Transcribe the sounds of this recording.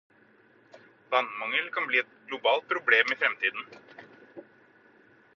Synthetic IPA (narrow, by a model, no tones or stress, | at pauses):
d̪ɑnmɑŋəlkɑnbliːɛt̪̚ɡlʊbɑːlt̪̚pʰɾʊbleːmɪfɾɛmt̪ʰiːd̪n̩